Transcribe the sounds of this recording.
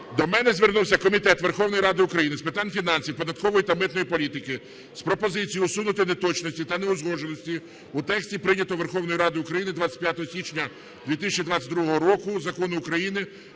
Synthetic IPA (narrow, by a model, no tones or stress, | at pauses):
d̪ɔmɛnɛzʲʋernuwsʲɐkɔmʲit̪ɛt̪ʋerxɔwnɔjɾɑd̪ɪʊkɾɐjinɪspɪt̪ɑnʲfʲinɑnʲsʲiwpɔd̪ɐt̪̚kɔʋɔjit̪ɐmɪt̪nɔjipɔlʲit̪ɪkɪ | spɾɔpɔzɪt͡sʲijʊɔsunʊt̪ɪnet̪ɔt͡ʃnɔsʲtʲit̪ɐneʊzɦɔʒenɔsʲtʲi | ut̪ɛksʲtʲipɾɪnʲɐt̪ɔʋerxɔwnɔjiɾɑd̪ɪʊkɾɐjinɪd̪ʋat͡sʲɐ̥t̚ʲpʲjat̪ɔɦɔsʲit͡ʃnʲɐ | d̪ʋʲit̪ɪsʲɐt͡ʃʲid̪ʋat͡sʲːɐt̚ʲd̪ɾuɦɔɦɔɾɔkʊzɐkɔnʊʊkɾɐjinɪ